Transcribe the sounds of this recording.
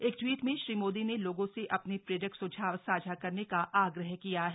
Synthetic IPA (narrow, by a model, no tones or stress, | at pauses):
eːkʈwiːʈmẽʃɾiːmoːd̪ineloːɡõseʔɐpnepɾeːɾəksʊd͡ʒʱaːʋsaːd͡ʒʱakɐɾnekaʔaːɡɾəɦkijaɦɛ